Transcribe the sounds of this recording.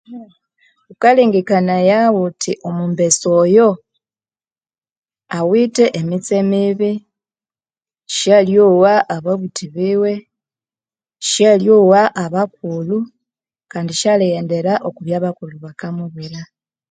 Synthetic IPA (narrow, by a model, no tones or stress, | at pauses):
ukaliːŋɡikanajawutʰiʔomumbe̞sojo | awiteʔemit͡semiβi | ʃjaljowaʔːβaβutʰiβiwe̞ | ʃjaljowaʔaβakulu | kaːndiʃialijende̞ɾaʔokuβjaːβakuluβakamuβiɾa